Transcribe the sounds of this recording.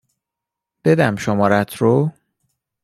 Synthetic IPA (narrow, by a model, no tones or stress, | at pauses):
b̥e̞d̪æmʃomɒːɾæt̪ʰɾo